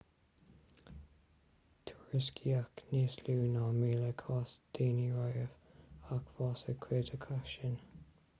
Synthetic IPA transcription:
t̪ʰuɹɪskʰiakniːsluːnaːmiːləkʰɑːsd̪̥iːniɹajəvakv̥ɑːsəkʰweːdʰəkʰaʃən

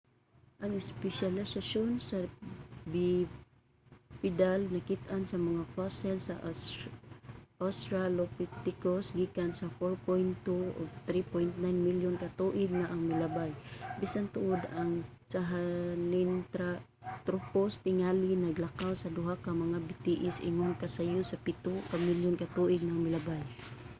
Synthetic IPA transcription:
ʔaŋɪspɛʃalɪsaʃonsabɪ | pɪd̪alnakɪt̪ʔansamaŋafasɛlsaʔ | ʔost̪ɾalopɪt̪ɪkosɡiːkansafoɹpojnt̪ːuo̰ɡ̚t̪ɾipojnt̪najnmiljʊnkat̪uʔɪɡ̚naʔaŋmɪlabajbisant̪ʊʔʊd̪aŋ | saɦalɪnt̪ɾa | t̪ɾʊpost̪ɪŋalɪnaɡlakawsad̪ʊɦakamɐŋabɪt̪iʔɪsɪ̰ŋʊŋkasajʊsapɪt̪ʊkamɪljʊnkat̪uʔɪɡ̚naaŋmɪlabaj

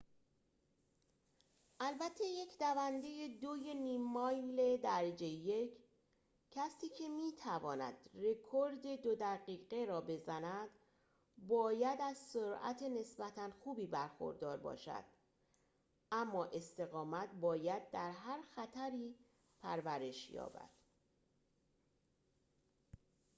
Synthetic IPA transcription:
ʔælbæt̪ʰːe̞je̞cʰd̪ævænd̪e̞jed̪ojeniːmːɒjle̞d̪æɾed͡ʒe̞jecʰ | cʰːæsiːcʰe̞miːt̪ʰævɒːnæ̰d̪̥re̞kʰo̞ɾd̪e̞d̪od̪æɣiːɣe̞ɾɒːbe̞zænæd̪̥ | bɒːjæd̪æzsoɾæ̰t̪ʰe̞ne̞sbæt̪ʰænxuːbiːbæɾxo̰ɾd̪ɒːɾbɒ̰ːʃæ̰d̪̥ | ʔæmːɒːʔe̞st̪e̞ɣɒːmæt̪bɒːjæd̪̚d̪æɾɦæɾxæt̪ʰæɾiː | pʰæɾvæɾe̞ʃjɒ̰ːbæ̰d̪̥

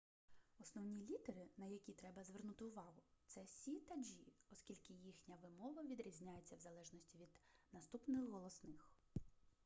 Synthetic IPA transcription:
ɔsnɔwnʲilʲid̪eɾɪnɐjɐkʲit̪ɾɛbɐzʋernut̪ɪʊʋɑɦʊt̪sɛsʲit̪ɐd͡ʒʲiɔskʲilʲkɪjixnʲɐʋɪmɔʋɐʋʲid̪ɾʲizʲnʲajet͡sʲːɐwzɐlˠɛʒnɔsʲtʲiʋʲid̪nɐst̪upnɪxːɔlˠɔsnɪx

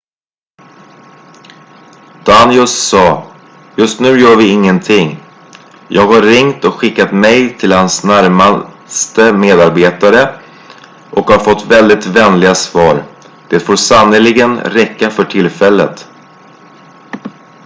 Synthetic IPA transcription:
d̪̥anjɵssɑː | jɵst̪nʉ̟ːjœːɾvɪɪŋːənt̪ʰɪŋː | jʔɑːɡhaːɪŋt̪ɔkɧɪkːat̪mɛjt̪ʰɪlhansnæɾma | st̪əmeːd̪aɾbeːt̪aɾə | ʔɔkhaɾfɔt̪ːvɛld̪ɪt̪vɛnlɪɡasvɑːɾ | d̪̥eːt̪foːɾsanːəlɪɡənɾɛkːafœʈʰɪlfɛlːət̪

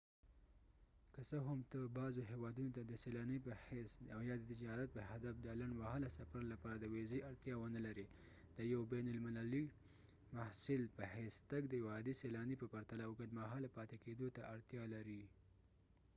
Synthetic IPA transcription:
kəsəɦamt̪əbɑzoɦewɑd̪unot̪ad̪əselɑnipəhesawjɑd̪ət̪ɪd͡ʒɑɾat̪̚pəhad̪afd̪əlaɳwahalasafaɾlapɑɾad̪əwezeʔaɽt̪jɑwənalaɾi | d̪̥əjawbanʊlmɪlali | mahsɪlpəhest̪aɡd̪əwɑd̪iselɑnipəpaɾt̪alawɡad̪maɦɑlapɑt̪eked̪ot̪aʔaɽt̪jɑlaɾi

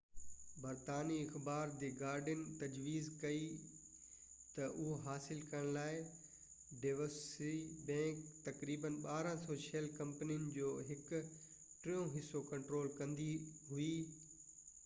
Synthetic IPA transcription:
bɐɾt̪aːniɪxbaːɾd̪eːɡaːɾɖənɪ̆t̪ɐd͡ʑʋiːzkɐi | t̪ɐʔʊɦoɦaːsɪlkɐɾəɽ̃laːɪ | ɖeʋəsibɛ̃ːkt̪ɐkɾiːbənɓaːɾə̃soːʃelkɐ̃mpnijənɪ̆d͡ʑoːɦɪkʊ | ʈɾɪjõɦɪsːokɐ̃ɳʈɾoːlkɐ̃nd̪iɦuiː

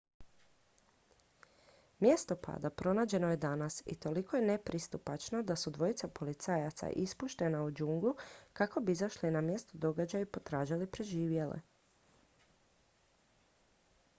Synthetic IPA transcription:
mje̞st̪o̞pa̰ːd̪apɾo̞naːd͡ʑe̞no̞je̞d̪anasḭt̪o̞liko̞jene̞pɾist̪upat͡ʃno̞d̪asud̪ʋo̞jit̪sapo̞lit̪sajat̪sa̰ʔispuʃt̪e̞naud͡ʒuŋɡlukako̞biizaʃlinamje̞st̪od̪o̞ɡad͡ʑajipo̞t̪ɾaːʒilipɾe̞ʒiːʋjelḛ

